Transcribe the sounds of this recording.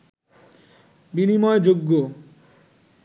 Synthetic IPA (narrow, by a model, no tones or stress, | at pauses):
binimɔed͡ʑoɡːo